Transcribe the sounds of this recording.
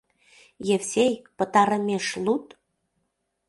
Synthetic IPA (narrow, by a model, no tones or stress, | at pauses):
jefsejkpə̆t̪ɑɾə̆mʲeʃlut̪